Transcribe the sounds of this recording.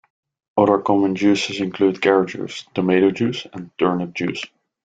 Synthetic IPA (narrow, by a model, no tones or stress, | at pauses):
ʌɾə˞kʰɔmə̃nd͡ʒʉːsɪzɪ̃nkʰl̥uːd̚kʰɛɹd͡ʒə̰˞z̥təmeɪɾod͡ʒʉːsə̃ntʰɜɹnət̚d͡ʒʉːs